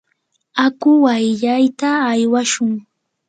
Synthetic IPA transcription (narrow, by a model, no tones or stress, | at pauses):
akʊwajʎajt̪aːjwaʃʊŋ